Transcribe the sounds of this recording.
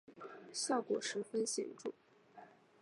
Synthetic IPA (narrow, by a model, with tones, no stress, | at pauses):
ɕjɑ˥˩ʊkwɔ˨˩ʂɻ̩˧˥fə˥nɕjɛ̰˨˩nʈ͡ʂṵ˥˩